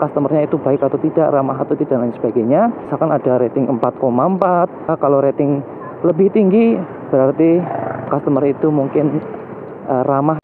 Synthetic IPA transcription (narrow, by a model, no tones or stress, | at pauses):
kast̪əmərɲait̪ubaɪkat̪awt̪idaʔramaɦat̪awt̪id̥aʔlansəb̥aɡaɲasakanadaɾet̪ɪŋʔəmpat̪̚komampat̪̚kaloɾet̪ɪŋ | ləbɪht̪iŋɡi | b̥əɾart̪ikast̪əmərit̪umuŋkɪn | ʔəramah